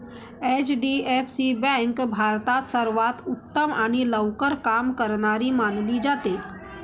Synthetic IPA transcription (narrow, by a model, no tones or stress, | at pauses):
et͡ʃɖiepsibɛ̃ŋkbʱaːɾt̪at̪səɾʋaːt̪ʊt̪ːəmaːñiləwkəɾkaːmkəɾnaɾimaːnlid͡ʒaːt̪e